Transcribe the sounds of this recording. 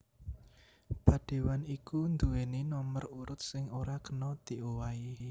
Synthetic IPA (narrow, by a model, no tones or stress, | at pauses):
b̥ä̤ɖ̥e̤wanikund̪uweninɔməruɾʊt̪̚sɪŋoɾakənɔt̪iowai